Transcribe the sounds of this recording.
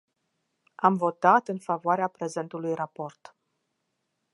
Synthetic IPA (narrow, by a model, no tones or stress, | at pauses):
amvo̞t̪at̪ɨnfavoaɾeapɾe̞ze̞nt̪ulujrapo̞rt̪